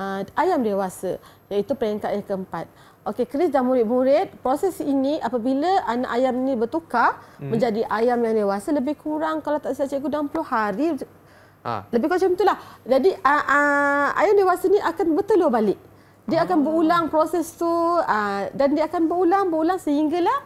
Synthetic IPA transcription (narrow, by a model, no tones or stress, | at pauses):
əajamdewasə̰ | jait̪upəɾɛŋkat̪̚jakəəmpat̪̚ | okekɾɪsdamuɾɪt̪̚buɾɪt̪̚pɾosɛsiniʔapabilaʔana̰ʔajamnĩbət̪ukamə̃ɲd͡ʒadiʔajamjjandewasələbɪhkuɾaŋkalat̪aʔsiat͡ʃəɡudaŋampəluhaɾḭ | ləbɪhkuat͡ʃənt̪ulahd͡ʒadiəʔəa̰jamdewasənĩʔakanbət̪əlubalɪʔ̚ | diəakanbəɾulaŋpɾosɛst̪uədandiəakanbəɾulaŋbəɾulaŋsəhiŋɡalah